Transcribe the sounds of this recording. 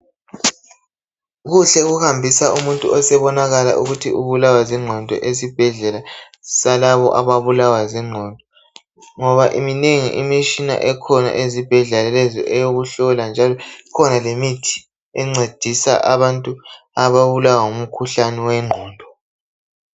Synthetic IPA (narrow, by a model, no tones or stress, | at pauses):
ɣuɬɛuɣuhambʱisaʔumuntʼṵɔsɛβɔnaɣala̰ʔuɣutʰiuβulawazɛŋ͡ǀʱɔndʱɔ̰ʔezib̥ʱɛɮɛla | salaβɔʔaβaβulawazɛŋ͡ǀʱɔndʱɔ | ŋɔβaʔimineŋḭʔimit͡ʃʼina̰ʔɛkʰɔna̰ʔezib̥ʱɛɮɛlɛlɛzɔ̰ʔɛjoɣuɬɔland͡ʒʱalɔkʰɔnalemitʰi̥ | ɛŋ͡ǀed̥ʱisa̰ʔaβantʼu | aβaβulawaŋum̩kʰuɬanɛwɛŋ͡ǃʱɔːndʱɔ